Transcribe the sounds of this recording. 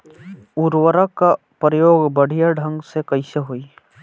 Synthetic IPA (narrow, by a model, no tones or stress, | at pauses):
uɾwəɾaka | pɾəjoːɡbəɽ̤ijaɖʱə̃ŋɡsekəiseɦoːi